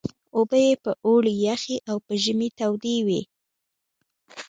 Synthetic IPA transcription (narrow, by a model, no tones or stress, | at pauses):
obəjepəʔoɽijaxeʔawpəʒəmit̪awd̪ewḭ